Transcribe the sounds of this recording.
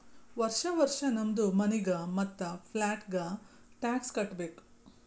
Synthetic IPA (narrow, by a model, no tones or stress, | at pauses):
ʋɐɾʂɐʋɐɾʂɐnɐmd̪umɐniɡɐmɐt̪ːɐpʰlaːʈɡɐ | ʈaːkskɐʈːbeːk